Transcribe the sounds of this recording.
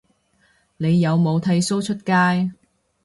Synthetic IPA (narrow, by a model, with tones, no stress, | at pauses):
ne˨˧jːɐ˨˧wmo˨˧wt̪ʰɐ˧jso˥wt͡ʃʰɵ˥t̚kaː˥j